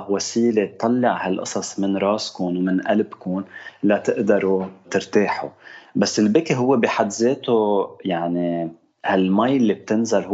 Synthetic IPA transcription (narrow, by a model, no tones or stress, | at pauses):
wasiːlet̪ˤːɑlːɪʕhalʔɑ̰sˤɑsˤmɪnɾˤɑːskʊnwmɪnʔalbkʊnlat̪ɪʔd̪ɑɾˤut̪ɪɾt̪eːħṵbasːɪlbɪkiɦʊwːebiħad̪zeːt̪ojaʕni | halmajɪlːib̚t̪ɪnzalh